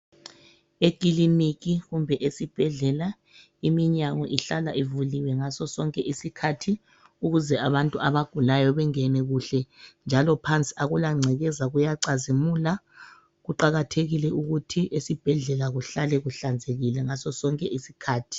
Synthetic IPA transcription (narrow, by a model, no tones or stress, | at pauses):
eɡ̥ʼiliniɣiɣumbʱɛʔesib̥ʱɛɮɛla | imiɲaŋɔʔiɬala̰ʔivuliwɛŋasɔsɔŋkʼɛʔisikʰatʰi | uɣuzɛaβantʼuaβaɡ̥ʱulajɔβɛŋɛnɛɣuɬɛnd͡ʒʱalɔpʰant͡sʼi̥aɣulaŋ͡ǀʱɛɣɛzaɣujaǀazimula | ɣuǃaɣatʰeɣilɛuɣutʰiʔesib̥ʱɛɮɛlaɣuɬalɛɣuɬand͡zʱeɣilɛŋasɔsɔŋkʼɛʔisikʰaːtʰi̥